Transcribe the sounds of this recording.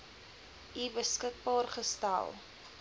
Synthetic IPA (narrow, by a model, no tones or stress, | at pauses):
ibəskək̚bɑːrχəstæ̰lˠ